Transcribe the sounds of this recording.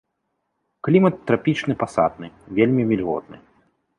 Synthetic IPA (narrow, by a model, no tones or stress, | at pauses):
klʲimɐt̪ːɾapʲit͡ʂnɨpasa̰d̪̚nɨvʲelʲmʲivʲilʲɣɔ̰d̪̚nɨ̰